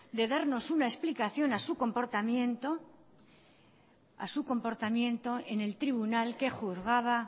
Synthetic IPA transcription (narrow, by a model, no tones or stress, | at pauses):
d̪e̞ðaɾno̞sunaesplikaθjo̞nasuko̞mpo̞ɾt̪amjent̪o | a̰suko̞mpo̞ɾt̪amjẽ̞nt̪o̞e̞ne̞lt̪ɾiβunalke̞xuθɣaβ̞a